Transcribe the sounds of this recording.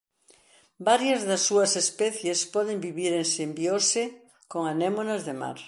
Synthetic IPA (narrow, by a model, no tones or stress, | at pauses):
baɾjazðasːuɐsespɛθjespɔð̞embiβiɾensembiose | koŋanemonazðema̰ɾ